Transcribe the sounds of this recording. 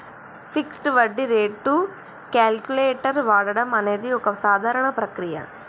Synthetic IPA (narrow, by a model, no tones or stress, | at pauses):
fiksʈʋɐɖːiɾeːɖʈːu | kaːlkjuleːʈɐɾʋaːɽɐɽɐmɐneːd̪iɔkɐsaːd̪ʱaːɾɐɳɐpɾɐkɾijɐ̰